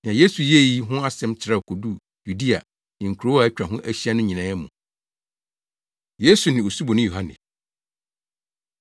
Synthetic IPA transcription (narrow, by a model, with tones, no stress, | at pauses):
n˨ã˨je˦su˨je˦˨ji˦ɦʊ̃˦a˦sɛ̃˦mt͡ɕʰɪ˨ɾa˦˨kʰo˨du˦˨ | ju˨di˦a˨ | nɪ̃˨ŋ̩˨kʰu˨ɾo˦a˨ɛ˦t͡ɕᶣɾa˨ɦʊ̃˦ʔæ˦˨ɕi˦a˦nʊ̃˦ɲĩ˨nãː˨˦ɛ˦mṵ̃˨ | je˦su˨nɪ̃˨o˨su˦bɔ˨nʊ̃˦jo˨a˦nɪ̰̃˨